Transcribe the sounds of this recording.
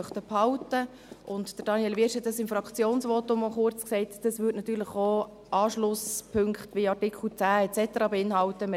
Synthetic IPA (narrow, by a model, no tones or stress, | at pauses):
œχt̪əphɑwtə | ʔʊntd̥əɾd̥ɑnjɛlʋɪʃɛdɑsɪmfrɑkt͡sjoːnsʋotʊmoχʊɾt͡sksɛɪtd̥ɑsvʏtnɑt̪yːɾləχo | ʔɑːʃlʊspʰʏŋkχtʋiɑrtɪkʰl̩t͡sæːɛt͡sɛtəɾɑːbeɪnhɑwtəmɪ